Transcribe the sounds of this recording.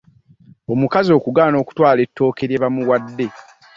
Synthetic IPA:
o̞mukazio̞ːkuɡaːno̞ːku̥twaːle̞tːo̞ːke̞ɾjeβamuwadːe̞

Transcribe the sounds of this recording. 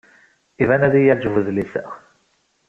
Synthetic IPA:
ivænæðijæd͡ʒəvəðlisə̰ʁ

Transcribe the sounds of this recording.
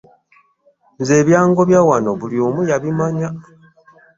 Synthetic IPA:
nze̞ːβjaːŋɡo̞βjawano̞βuljoːmujaβimaɲa

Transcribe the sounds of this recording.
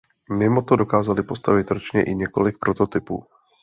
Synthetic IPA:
mɪmo̞t̪odo̞kaːzalɪpo̞st̪avɪt̪ɾot͡ʃɲɛ̰ʔɪɲɛko̞lɪk̚pɾo̞t̪o̞t̪ɪpṵː

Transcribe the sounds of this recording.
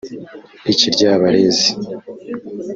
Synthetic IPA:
iciɾɟaːβaɾezi

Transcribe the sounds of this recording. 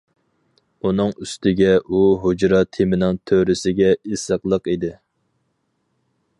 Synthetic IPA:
unɨŋyst̪ɪɡʲɛuɦod͡ʒɾɑt̪ʰemɪnɪŋt̪ʰøɾɪsɪɡʲɛisəqlˠəqid̪ɪ

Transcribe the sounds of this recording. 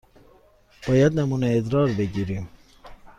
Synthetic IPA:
b̥ɑːjad̪nɛmunɛed̪ɾɑːɾbeɡiɾim

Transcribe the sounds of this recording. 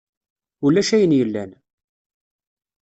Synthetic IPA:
ulæʃæjənjəlːæ̰n

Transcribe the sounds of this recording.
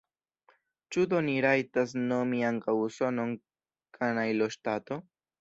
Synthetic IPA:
t͡ʃud̪o̞niɾajtas̬no̞miaŋkawso̞no̞n | kʰanajloʃtato̞

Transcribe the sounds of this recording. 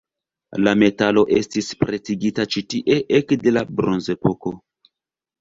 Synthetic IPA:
lame̞talo̞ʔe̞̰stispɾet͡siɡitat͡ʃitiʔe̞ʔekde̞labɾo̞nze̞poko̞

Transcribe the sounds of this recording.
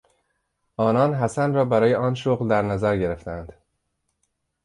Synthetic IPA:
ɒːnɒːnɦæsænrɒːbæɾɒːje̞ʔɒːnʃoɣld̪æɾnæzæɾɟe̞ɾe̞ft̪æænd̪̥

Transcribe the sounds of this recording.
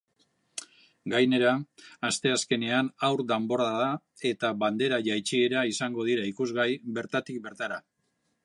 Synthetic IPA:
ɡajne̞ɾaːst̪e̞aske̞ne̞anawɾd̪embo̞ɾaða | e̞t̪aβand̪e̞ɾaʝajt͡ʃie̞ɾaisaŋɡo̞ð̞iɾaikuzɣajbe̞ɾt̪at̪ik̚be̞ɾt̪aɾa

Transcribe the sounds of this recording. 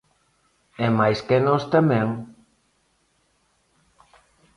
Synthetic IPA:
ɛmajskenost̪amɛ̃ŋ

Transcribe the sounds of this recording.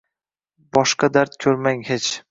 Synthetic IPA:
bɒʃqɑd̪aɾt̪̚kʲʰɵɾmaŋhet͡ʃ

